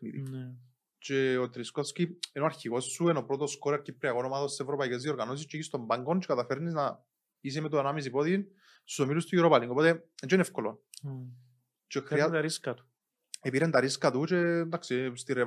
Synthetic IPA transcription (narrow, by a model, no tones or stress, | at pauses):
knḭðḭ | t͡ʃeot̪ɾiskofskienoaɾçiɣo̞sːueno̞pɾot̪oskoɾɐɾcipːɾiɐɣonomaðosːsevɾopɐicezðio̞ɾɣanos̬ist͡ʃeiçist̪o̞mbaŋɡont͡ʃekɐt̪ɐfeɾnisna | is̬emet̪onamis̬ipot̪in | st̪usomilust̪ujuɾopaliŋɡopot̪eet͡ʃeinefkolo̰n | t͡ʃexɾiaɾiskɐt̪u̥ | epiɾend̪ɐɾiskat̪ut͡ʃend̪aksist̪ire